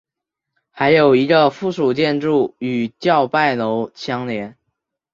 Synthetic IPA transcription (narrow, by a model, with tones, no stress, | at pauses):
xa˧˥ɪjo˨˩ʊi˧˥ɡə˧fu˥˩ʂu˨˩t͡ɕjɛ˥˧nʈ͡ʂu˥˩y˨˩t͡ɕjɑ˥˧ʊpa˥˩ɪlo˧˥ʊt͡ɕʰjɑ˥ŋljɛ˧˥n